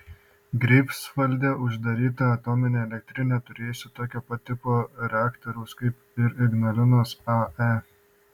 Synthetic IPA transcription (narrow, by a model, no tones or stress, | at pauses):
ɡɾʲɛɪpsʋɐlʲd̪ʲeːʔʊʒd̪ɐɾʲiːt̪ɐɐt̪ɔmʲɪnʲeːɛlʲɛk̚ʲt̪ʲɾʲɪnʲɛːt̪ʊɾʲeːjʊsʲɪt̪oːkʲoːpɐt̪ʲɪpoːɾʲɛaːkt̪oɾɐʊskɐɪp̚ | ɪɾɪɡnɐlʲɪnoːsɐɛ